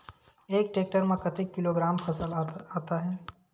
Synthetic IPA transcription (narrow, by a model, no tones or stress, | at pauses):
eːk̚ʈeːk̚ʈəɾmẽkɐt̪ɪkːɪloːɡɾaːmpʰɐsəlaaːt̪aɦɛː